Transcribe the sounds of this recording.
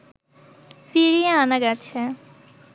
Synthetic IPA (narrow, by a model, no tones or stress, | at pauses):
fiɾijeanaɡat͡ɕʰe